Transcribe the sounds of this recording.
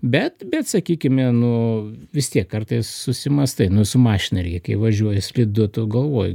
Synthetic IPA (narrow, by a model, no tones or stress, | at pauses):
bʲɛt̪bʲɛt̪sɐkʲiːkʲɪmʲɛnʊʋʲɪst̪ʲiɛkːɐrt̪ɐɪssʊsʲɪmɐst̪ɐɪnʊsʊmɑːʃʲɪnɐɾʲḭkɐɪʋɐʒʲuɔjɛsʲlʲɪd̪ʊt̪ʊɡɐlˠʋoːjʊ